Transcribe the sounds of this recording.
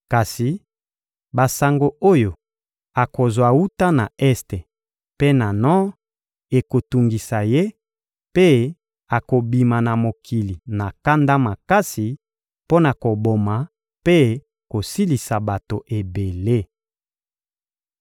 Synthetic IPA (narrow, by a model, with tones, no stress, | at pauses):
ka˨si˨ | ba˨sa˨ŋɡo˨o˦jo˨ | a˨ko˨zwa˨wu˦ta˦na˨ɛ˦ste˨ | pe˦na˨nɔ̃˦ | e˨ko˨tu˨ŋɡi˨sa˨je˦ | pe˦ | a˨ko˨bi˨ma˨na˨mo˨kʰi˨li˨na˨ka˦nda˦ma˨ka˦si˨ | po˦na˨ko˨bo˨ma˨ | pe˦ | ko˨si˦li˨sa˨ba˨to˨ʔe˨be˨le˦